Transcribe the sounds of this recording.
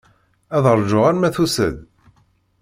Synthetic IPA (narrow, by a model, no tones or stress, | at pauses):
æðəɾˤʒʊʁæɾmæθusə̰d̪